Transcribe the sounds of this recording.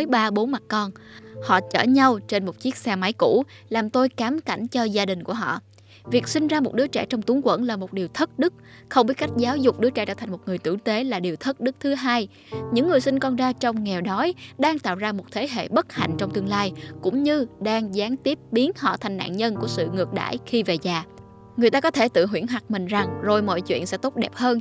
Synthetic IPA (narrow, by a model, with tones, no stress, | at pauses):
ə˨˦jɓaː˧ɓo˨˦nma˨˩t̚kɔ˧nhɔ̰˧˨t͡ɕə̰ː˧˩ɲa˧wt͡ɕe˧nmo˨˩t̚t͡ɕi˦˥ək̚sɛː˧ma˨˦jkṵ˧˥laː˨˩mt̪o˧jkaː˨˦mka̰˧˩jŋ̟t͡ɕɔ˧zaː˧ɗï˨˩ŋ̟ku˧˩əɦɔ̰˧˨ | vi˨˩ək̚sï˧ŋ̟zaː˧mo˨˩t̚ɗɨ˨˦ət͡ɕɛ̰˧˩t͡ɕɔ˧wŋ͡mt̪u˨˦ŋkwə̰˧˥nlaː˨˩mo˨˩t̚ɗi˨˩əwt̪ʰə˦˥k̚ɗɨ˦˥k̚ | xə˧wŋ͡mɓi˦˥t̚ka˦˥jk̟̚zaː˨˦wzʊ˨˩k͡p̚ɗɨ˨˦ət͡ɕɛː˧˩t͡ɕəː˧˩t̪ʰa˨˩ŋmo˨˩t̚ŋɨ˨˩əjt̪ɨ̰˧˩t̪e˨˦laː˨˩ɗi˨˩əwt̪ʰk̚ɗɨ˦˥k̚t̪ʰɨ˨˦ɦaː˧j | ɲɨ̰˧˥ŋːɨ˨˩əjsï˧ŋ̟kɔ˧nzaː˧t͡ɕɔ˧wŋ͡mŋɛ˨˩wɗɔ˨˦jɗaː˧ŋt̪a̰ː˧˨wzaː˧mo˨˩t̚t̪ʰe˨˦ɦḛ˧˨ɓə˦˥t̚ha̰˧˨jŋ̟t͡ɕɔ˧wŋ͡mt̪ɨ˧əŋlaː˧jkʊ̰˧˥ŋ͡mɲɨ˧ɗaː˧ŋzaː˨˦ŋt̪i˦˥əp̚ɓi˨˦ənhɔ̰˧˨t̪ʰa˨˩ŋna̰ː˧˨nɲə˧nku˧˩əsɨ̰˧˨ŋɨ˨˩ək̚ɗa̰ː˧˨jxi˧ve˨˩zaː˨˩ | ŋ˨˩əjt̪aː˧kɔ˨˦t̪ʰe˧˩t̪ɨ̰˧˨ɦwi˧˩ənɦwa˨˩k̚mï˨˩ŋ̟za˨˩ŋzo˨˩jmɔ̰˧˨jt͡ɕwḭ˧˨ənsɛ̰˧˥t̪o˦˥t̚ɗɛ̰˨˩p̚həː˧n